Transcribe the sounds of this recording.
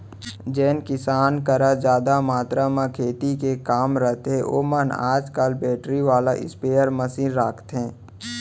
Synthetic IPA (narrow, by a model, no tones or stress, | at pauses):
d͡ʒɛːnkɪsaːnkəɾad͡ʒaːd̪amaːt̪ɾamãkʰeːt̪ikekaːmɾəɦt̪ɦẽʔo̰ːməna̰ːd͡ʒkalbɛːʈɾiʋaːlaʔɪ̰speːjəɾməsiːnɾaːkʰt̪ɦɛ̃ː